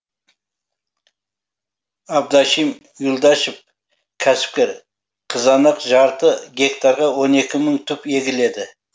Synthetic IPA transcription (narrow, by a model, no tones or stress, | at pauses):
ɑb̚d̪ɑʃim | julˠd̪ɑʃɪp̚ | kʲʰæsɪ̥p̚kʲe̞ɾ | qʰəzɑnɑqʒɑɾt̪əɡʲe̞k̚t̪ɑɾʁɑwo̞ne̞kʲɪməɴt̪ʰɵpe̞ɡʲɪle̞d̪ɪ